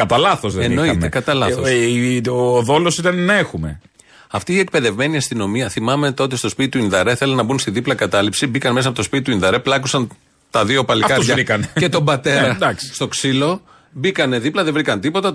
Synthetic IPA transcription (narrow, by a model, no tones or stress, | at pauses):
kɐt̪ɐlɐθozðeeno̞inekɐt̪ɐlɐθoː | ðo̞losit̪ɐnenɐexume̞̰ | ɐft̪iːek̚pe̞ðe̞vme̞niɐst̪ino̞miɐθimɐme̞t̪o̞t̪̬est̪o̞spit̪it̪uinðɐɾeθe̞lɐnːɐbunst̪iðiplɐkɐt̪ɐlipsibikɐnme̞s̬ɐpot̪ospit̪it̪uinðɐɾe̞plɐkusɐn | t̪ɐðiopɐlifkɐɾozɐvɾikɐnece̞t̪o̞mbɐt̪e̞ɾɾɐd̪ɐksst̪o̞ksilo̞ | bikɐne̞ðiplɐðe̞vɾikɐnt̪ipo̞t̪ɐ